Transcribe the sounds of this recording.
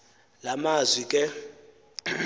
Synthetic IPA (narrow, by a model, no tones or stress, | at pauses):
lamazwikʼɛ